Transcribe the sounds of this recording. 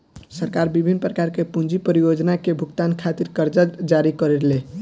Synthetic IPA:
səɾkaɾbibʱinːpɾəkaɾkepund͡ʒipəɾijod͡ʒnakebʱukt̪ankʰat̪iɾkəɾd͡ʒəd͡ʒaɾikəɾeɾle

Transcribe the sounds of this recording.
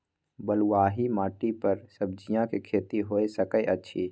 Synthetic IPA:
bəlwaːɦimaːʈipəɾsəb̚d͡ʒijãkekʰeːt̪iɦoesəkəeʔɐtːʃʰiː

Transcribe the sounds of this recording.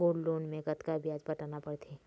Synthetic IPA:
oːlloːnmẽɡət̪kabʱiaːd͡ʒbɐʈanapɐɽt̪ʰeː

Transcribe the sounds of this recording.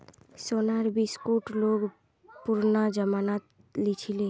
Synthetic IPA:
sonaɾbiskuʈloːɡ | puɾnad͡ʒəmanat̪ | lit͡ʃʰile

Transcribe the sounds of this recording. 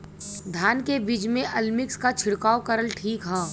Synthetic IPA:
d̪ʱaːnkebid͡ʒmẽʔɐlmɪkskat͡ʃʰɪɽkaːokəɾəlʈʰiːkɦãː

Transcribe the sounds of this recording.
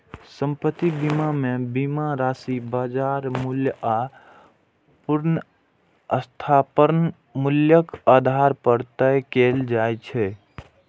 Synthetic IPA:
sə̃mpət̪ːibimamebimaɾasibad͡ʒaɾmulja | puɾnə | əst̪ʰapəɾn | muljəkad̪ʱaɾpəɾt̪əjkeld͡ʒat͡ʃʰɛ

